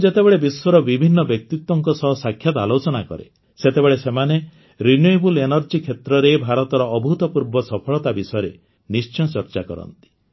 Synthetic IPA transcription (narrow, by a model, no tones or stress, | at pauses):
d͡ʒet̪ebeɭebiswɔɾɔbibʱinːɔbjek̚t̪it̪wɔŋkɔsɔɦɔsakʰːjat̪alot͡ʃɔnakɔ̰ɾḛ | set̪ebeɭesemane | ɾinjojbulenɔɾd͡ʒikʰet̪ɾɔɾebʱaɾɔt̪ɔɾɔːbʱut̪ɔpuɾbɔsɔpʰɔɭɔt̪abisɔɔɾe | nist͡ʃɔt͡ʃɔɾt͡ʃakɔ̰ɾɔ̰nt̪i̥